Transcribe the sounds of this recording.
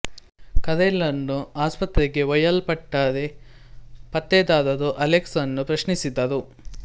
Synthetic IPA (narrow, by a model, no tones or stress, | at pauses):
kɐd̪elːɐnːuaːspɐt̪ɾeɡe̞ʋɐjɐlpɐʈːaːd̪e | pɐt̪ːeːd̪aːd̪ɐd̪uʔɐleksɐnːupɾɐʃnisid̪ːɐd̪u